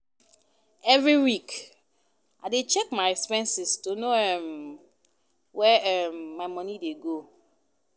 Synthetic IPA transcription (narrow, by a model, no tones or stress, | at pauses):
ɛvɹiwik | ʔa̰ɪdet͡ʃɛkmaɪɛkspɛ̃nsistonoɛm | wɛɛmːaɪmɔ̃nideɡo